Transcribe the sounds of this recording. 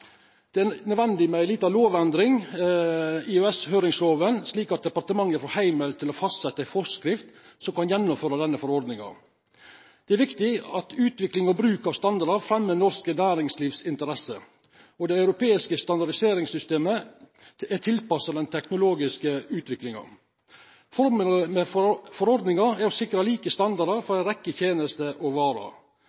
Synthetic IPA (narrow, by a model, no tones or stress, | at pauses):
d̪̥ɛænœd̪ʋɛnd̪ɪmæɪliːt̪ɑʋloːʋɛnd̪ɾɪŋ | ɪøɛshøːɾɪŋsɾoːʋənsliːkɑt̪̚d̪ɛpɑɾt̪əmɑŋːəfɔɾhæɪməlt̪ʰɪlɔfɑst̪sɛt̪ːəæɪfɔskɾɪft̪sɔmkɑnjɛnːʊmføːɾɑd̪ɛnːəfɔɾɔɾd̪nɪŋɑ̰ | d̪̥ɛæɾʋɪkt̪ɪɑt̪ʉːt̪ʋɪklɪŋɔbɾʉːkɑʋst̪ɑnd̪ɑɾɖəɾfɾɛmːənɔɾskənæːɾɪŋsliːʋsɪnt̪əɾɛsə | ɔd̪ɛɑʉɾʊpeːɪskəst̪ɑnd̪ɑɖɪseːɾɪŋsʏst̪eːmə | ɛʈ̪ʰɪlpɑsəd̪ɛnt̪ʰɛknʊloːɡɪskəʉːt̪ʰʋɪklɪŋɑ̰ | fɔɾmʉləmɛfɔɾɔɾd̪nɪŋɑæɾɔsɪkɾɑliːkəst̪ɑnd̪ɑɖɑɾfɔɾæɪnɾɛkːət̪ʰjeːnəst̪əʔɔʋɑːɾɑ̰